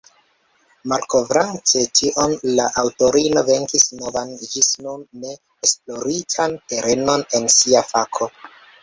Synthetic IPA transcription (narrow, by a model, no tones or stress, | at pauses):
malko̞vɾante̞tiʔo̞nlaʔawto̞ɾino̞ve̞ŋkisno̞vand͡ʒisnunːe̞ː | splo̞ɾitʰante̞ɾʔe̞no̞ne̞nsiafakʰo̞